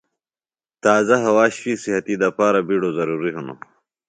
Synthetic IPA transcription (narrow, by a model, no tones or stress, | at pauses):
t̪aːzɐɦɐwaːɕfisihɐt̪id̪ɐpaːɾabiɽozɐɾuːɾiɦuno̰